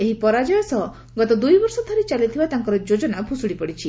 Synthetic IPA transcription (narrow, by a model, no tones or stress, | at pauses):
eɦipɔɾad͡ʒɔjɔsɔ | ɡɔt̪ɔd̪ujbɔɾsɔd̪ʰʱɔɾit͡ʃalit̪ʰibat̪aŋkɔɾɔd͡ʒod͡ʒɔnabʱusuɽipɔɽit͡ʃʰi